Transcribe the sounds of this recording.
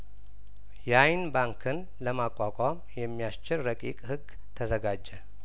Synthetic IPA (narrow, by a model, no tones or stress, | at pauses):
jajnbaŋkʰɨn | ləmakʼːakʼamjɛmːijast͡ʃɪlɾəkʼḭkʼhɨɡ | t̪ʰəzəɡad͡ʒːɛ